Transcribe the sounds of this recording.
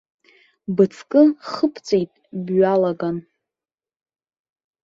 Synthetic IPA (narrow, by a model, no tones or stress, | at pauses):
bɨt͡sʰkʼɨχəpʰt͡sʼejtʼbɥalaɡan